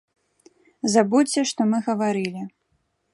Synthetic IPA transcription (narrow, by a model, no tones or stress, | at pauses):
zabuɐʂt̪ɔmɨɣɐvaɾɨlʲi